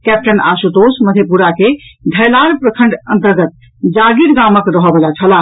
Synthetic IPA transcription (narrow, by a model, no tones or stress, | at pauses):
kɛp̚ʈənasut̪osməd̪ʱjepuɾaked̪ʱəjlaɾpɾəkʰəɳɖənt̪əɾɡət̪̚ | d͡ʒaɡiɾɡaməkɾəɦɔbelat͡ʃʰəla